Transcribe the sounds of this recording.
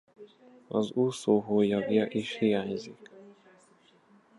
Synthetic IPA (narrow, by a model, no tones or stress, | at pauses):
ɒzuːsoːɦoːjɒɡjɒʔiʃhijaːɲzik